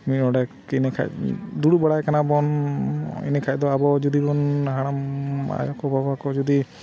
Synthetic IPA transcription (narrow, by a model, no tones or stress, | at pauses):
miɔɽɛ | inɛkʰa̰jd̪uɽubaɽajkanabɔn | ḭnɛkʰajd̪ɔabɔd͡ʒud̪ibɔnɦaɽ̃ama̰jɔkɔbʱabakɔd͡ʒud̪i